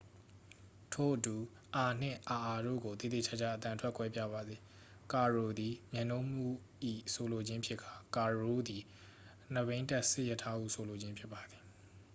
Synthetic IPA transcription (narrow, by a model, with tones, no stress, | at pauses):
tʰo˦˨ʔətu˨ | ʔa˨n̥ɪ̰̃˦˨ʔa˨ʔa˨ɾo̰˦˨ɡo˨t̪ḭ˦˨ḛ˦˨t͡ɕʰa˦˨t͡ɕʰa̰˦ʔət̪ã˨tʰwɛ˦kwɛ˦pja̰˦˨βa˨d̪i˨ | ka˨ɹo˨d̪i˨mjã˨nõ˦m̥ṵ˦˨ | ʔḭ˦˨so˨lo˨d͡ʑɪ̃˦mpʰjɪ˦ʔkʰa˨ka˨ɹo˦d̪i˨ | n̥əβẽ˦ɪ̃nta˦ʔsɪ˦jə˦tʰːa˦ʔṵ˦˨sʰo˨lo˨d͡ʑɪ̃˦mpʰjɪ˦pːa˨d̪i˨